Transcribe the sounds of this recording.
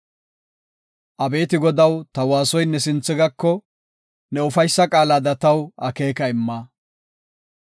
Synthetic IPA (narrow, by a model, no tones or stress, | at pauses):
ʔɐbe̞ːt̪ɪɡɔd̪ɐwt̪ɐwaːsɔjnɛs̬ɪnt͡sːɪɡɐkːɔ | nɛʊfɐjsːɐkʼaːlad̪ɐt̪ɐwɐke̞ːkɐɪmːaː